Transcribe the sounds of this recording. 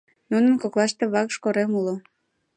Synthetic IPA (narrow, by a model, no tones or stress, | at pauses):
nunənkoklɑʃt̪eβɑkʃkoɾemulo